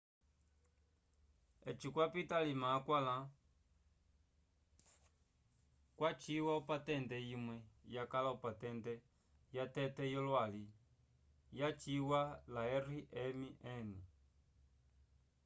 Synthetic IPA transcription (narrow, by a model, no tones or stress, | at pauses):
ɛt͡ʃikwapitalimakwala | kwat͡ʃiwaupatɛndɛjimwɛjakalaupatɛntɛ | jatɛtɛjɔlwali | jat͡ʃiwalaɛriʔɛmiʔɛni